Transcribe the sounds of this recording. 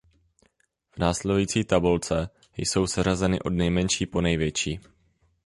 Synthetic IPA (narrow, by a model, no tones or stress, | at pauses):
v̥naːslɛdujiːt͡siːt̪abult͡sɛ | jso̞wsɛrazɛnɪʔo̞dnɛjmɛnʃiːpo̞nɛjvjɛt͡ʃiː